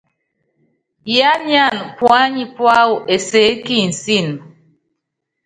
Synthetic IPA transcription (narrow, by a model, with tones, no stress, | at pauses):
ja˦ɲja˦˨n˨pwa˦ɲi˨pwa˦wʊ˨ʔe˨se˨˦ki˦˨n̩˨si˦˨n˨